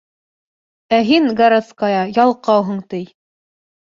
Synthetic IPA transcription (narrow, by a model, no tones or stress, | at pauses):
æɦiŋɡɐɾat̪skɑjɑjɑlˠqɑwɦɤ̆ɴt̪ɘj